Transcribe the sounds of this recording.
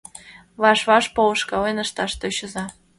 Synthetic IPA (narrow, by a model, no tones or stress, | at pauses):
βɑʃβɑʃpolɤ̆ʃkɑlenəʃt̪ɑʃt̪øɕə̆zɑ